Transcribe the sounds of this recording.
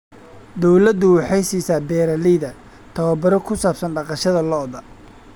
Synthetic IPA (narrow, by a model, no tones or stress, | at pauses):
d̪ɔwlɐd̪ʊwɑħɑjsiːsaːbɛːɾɐliːðɐ | t̪ʰɐwɐbɐɾɔkʰʊsaːbsɐnɖɑqɑʃɐðɐlɔʔðɐ